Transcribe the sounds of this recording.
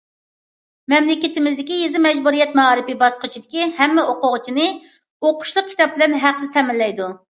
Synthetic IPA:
mɛmlɪkʲɪt̪ɪmɪzd̪ɪkʲijezɪmɛd͡ʒbuɾijɛt̪̚mɑɑɾɨpɪbɑsqət͡ʃʰid̪ɪkʲihɛmːɛʔoqʊʁʊt͡ʃʰinɨ | oqʰʊ̥ʃlˠʊq̚kʲʰi̥t̪ɑp̚bɪlɛnɦæχsɪzt̪ʰɛmɪlːɛjd̪u

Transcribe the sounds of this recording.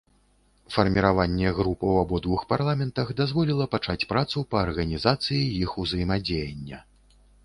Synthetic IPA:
fɐrmʲiɾavanʲːɛɣɾupɐwabɔd̪vuxparlˠamʲɛnt̪ɐɣd̪azvɔlʲilˠɐpat͡ʂat͡sʲpɾat̪supɐːrɣɐnʲizat̪sɨjijixuzɐjmad͡zʲejɐnʲːɐ

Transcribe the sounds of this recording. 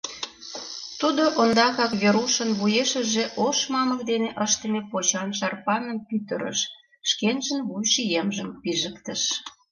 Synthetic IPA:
t̪ud̪oʔond̪ɑkɑkβeɾuʃənβujeʃə̆ʒeʔoʃmɑmə̆kd̪eneʔəʃt̪ə̆mepot͡ɕɑnʃɑrpɑnəmpyt̪əɾə̰ʃː | kenʒə̆nβujʃijemʒəmpiʒəkt̪əʃ

